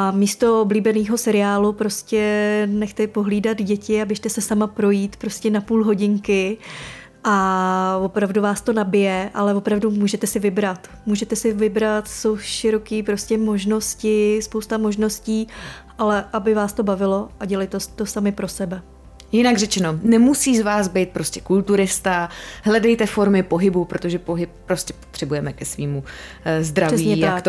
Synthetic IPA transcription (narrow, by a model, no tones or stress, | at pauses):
amiːst̪o̞obliːbɛniːɦo̞sɛɾɪaːlupɾo̞scɛnɛxt̪ɛpo̞ɦliːdad̪ɟɛcɪabɪʃt̪ɛsɛsamapɾo̞jiːt̪pɾo̞scɛnapuːlɦo̞ɟɪŋkɪ | ʔavo̞pɾavduvaːst̪o̞nabɪjɛʔa̰lɛvo̞pɾavdumuːʒɛt̪ɛsɪvɪbɾat̪ | muːʒɛt̪ɛsɪvɪbɾat̪so̞wʃɪɾo̞kiːpɾo̞scɛmo̞ʒno̞scɪspowst̪amo̞ʒno̞sciːʔalɛʔabɪvaːst̪o̞bavɪlo̞ʔaɟɛlɪjt̪ɛt̪o̞samɪpɾo̞sɛbɛ | jɪnaɡrɛt͡ʃɛnonɛmusiːzvaːzbɛjt̪̚pɾoscɛ̥kult̪uɾɪst̪aɦlɛdɛjt̪ɛfo̞ɾmɪpo̞ɦɪbupɾot̪oʒɛpo̞ɦɪp̚ːɾoscʲɛpot̪r̥ɛbujɛmɛkɛsviːmu | zd̪ɾaɛsviːɲɛj̪aakt̪